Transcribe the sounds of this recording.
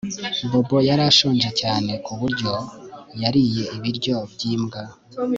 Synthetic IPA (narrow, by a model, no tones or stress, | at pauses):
mbo̞bo̞jaɾaʃuːnd͡ʒecaːne̞kuβuɾɟo̞jaɾije̞iβiɾɟo̞bɟiːmɡa